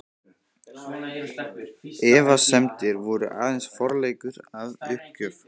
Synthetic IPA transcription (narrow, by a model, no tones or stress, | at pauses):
ɛːvasɛmt̪ɪɾvɔɾʏ̰ʔa̰ːðɛnsfɔɾleːjkʏɾaðʏhcʏf